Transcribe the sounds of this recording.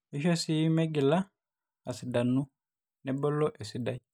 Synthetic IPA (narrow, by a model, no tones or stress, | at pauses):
iʃosimeɡila | asidanːu | nɛbɔlːɔʔesidaj